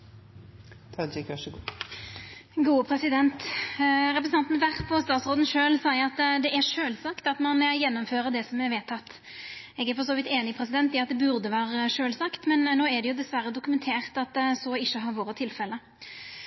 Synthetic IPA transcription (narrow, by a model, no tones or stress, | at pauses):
t̪ʰɑd͡ʒɪkʋæʂəɡuː | ɡuːəpʰɾɛsɪd̪ɛnt̪ | ɾɛpɾsɑnt̪n̩ʋæʁpʰɔst̪ɑːt̪sʁoːd̪n̩ʃøːlsɑɪəɾɑt̪d̪ɛʔæɾʂøːlsɑkt̪ɑt̪mɑnjɛnːʊmføːɾəd̪ɛsɔmɛɾʋeːt̪ʰɑt̪ː | ɛːɡæɾfɔɾsoːʋɪt̪eːnɪpʰɾɛsɪd̪ɛnt̪ɪɑt̪̚d̪ɛbʉɾd̪əʋæːɾəʂøːlsɑkt̪mɛnnːoːæɖ̪ɛjʊd̪ɛsʋæɾːəd̪ʊkʉmɛnt̪ʰeːʁt̪ɑt̪sɔɪʃːəɦɑɾʋoːɾət̪ʰɪlfɛlːə